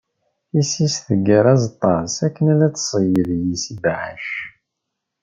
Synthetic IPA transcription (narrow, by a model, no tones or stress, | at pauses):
isisθəɡəɾˤæzt̪ˤːɑsækːənælæt͡sːsˤəjəðjisibʕa̰ʃ